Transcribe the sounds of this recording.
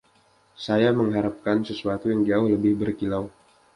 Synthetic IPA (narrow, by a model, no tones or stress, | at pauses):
sajaməŋɦaɾap̚kansəsuat̪ujaŋd͡ʒaʊhləbɪhbərkilaw